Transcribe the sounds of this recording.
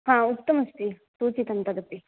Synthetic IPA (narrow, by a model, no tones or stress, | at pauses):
ɦãːukt̪ːɐmɐst̪isuːt͡ʃit̪ɐnt̪ɐd̪ɐpːi